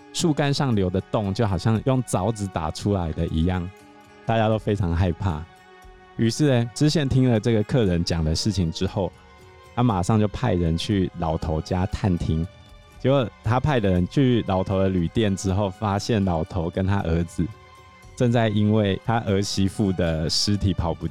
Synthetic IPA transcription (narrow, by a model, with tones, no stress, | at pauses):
ʂu˥˨˩ka˥nʂɑ˥˨˩ŋljo˧˥ʊd̪ə˨t̪ʊ˥˨ŋt͡ɕjo˥˩ʊxɑ˨ʊɕjɑ˥˧ŋjʊ˥˨˩ŋt͡sɑ˨˧˥ʊt͡sɹ̩˧˥t̪a̰˨˩ʈ͡ʂʰu˦˥la˧˦ɪd̪ə˨ʔḭ˧˥˦jɑ˥˩ŋ | t̪a˥˩t͡ɕja˥t̪o˥ʊfe˥ɪʈ͡ʂʰɑ˧˥ŋxa˥˧ɪpʰa̰˥˩ | y˧˥ʂɻ̩˥˩ə˨˩ʈ͡ʂɻ̩˥ɕjɛ˥˩nt̪ʰi˥ŋlə˨ʈ͡ʂɤ˥˩ɡə˨kʰɤ˥˨ɻə˧˦nt͡ɕjɑ˨˩ŋd̪ə˩ʂɻ̩˥˩t͡ɕʰi˨˩ŋʈ͡ʂɻ̩˥˦xo˥˩ʊ | t̪ʰa˦ma˨˩ʂɑ˥˧ŋt͡ɕjo˥˧ʊpʰa˥˩ɪɻə˧˦nt͡ɕʰy˥˩lɑ˨˩ʊt̪ʰo˧˥ʊt͡ɕja˦t̪ʰa˥˨nt̪ʰi˥ŋ | t͡ɕi˧˥wə˨˩t̪ʰa˦˥pʰa˥˩ɪd̪ə˨˩ɻə˦nt͡ɕʰy˥˩lɑ˨˥ʊt̪ʰo˧˥ʊd̪ə˨ly˨˩t̪jɛ˥˨˩nʈ͡ʂɻ̩˦xo˥˩ʊfa˦ɕjɛ˥˩nlɑ˨˩ʊt̪ʰo˨˦ʊkə˦nt̪ʰa̰˦˥ʔə˧˥d͡zɹ̩˨ | ʈ͡ʂə˥˧nt͡sa˥˩ɪi˦˥nwe˥˩ɪt̪ʰa˦ʔə˧˥ɕi˥fu˥˩d̪ə˩ʂɻ̩˥t̪ʰi˨˩˦pʰɑ˨˧˥ʊpu˧